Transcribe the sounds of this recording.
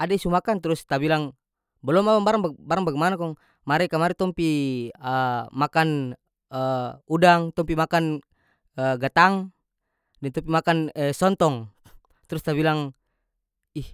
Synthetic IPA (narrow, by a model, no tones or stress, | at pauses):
adaisumakant̪ɾust̪abilaŋ | bɔlɔmabaŋbaɾaŋbabaɾaŋbaɡɛmanakɔŋ | maɾɛkamaɾɛt̪ɔmpiəmakan | əudaŋt̪ɔmpimakan | əɡat̪aŋ | dɛnt̪ɔmpimakanəsɔnt̪ɔŋ | t̪ɾust̪abilaŋ | ih